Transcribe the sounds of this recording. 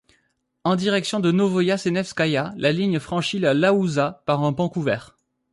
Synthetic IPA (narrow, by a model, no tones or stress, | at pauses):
ɑ̃d̪iʁɛksjɔ̃d̪ənovɔjasenɛfskajalaliɲfχɑ̃ʃilalauzapaʁɛ̃pɑ̃kuvɛːʁ